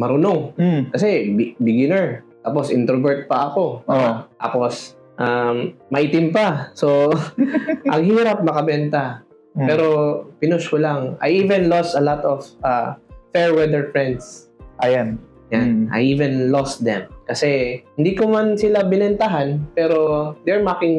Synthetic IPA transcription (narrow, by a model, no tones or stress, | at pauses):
mɐɾʊnoŋkɐsɛbbɪɡɪnɛɹt̪aːp̬osʔɪ̰nt̪ɾovɛɹt̪̚pɐʔɐko̞t̪a̰ːpos | ʔammɐʔit̪ɪmpɐso | ʔɐŋɦiːɾɐp̚mɐkɐbɛnt̪ɐ | pɛːɾo̞pɪnʊʃkolaŋʔɐ̰jʔiːvɛnlost̪ɐlat̪ɔfʔafɛɹwɛd̪ɛɹfɹɛnd̪sʔajan | jannʔɐ̰jʔiːvɛnlost̪̚d̪ɛmkɐsɛhɪnd̪ikomansɪlabɪnɛnt̪aɦanpɛːɾo̞d̪ɛɹmakɪŋ